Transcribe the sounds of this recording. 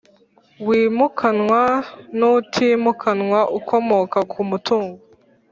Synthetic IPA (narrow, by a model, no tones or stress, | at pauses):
wiːmukʰanŋwanutʰiːmukʰanŋwaʔukomokakʰumutuːŋɡo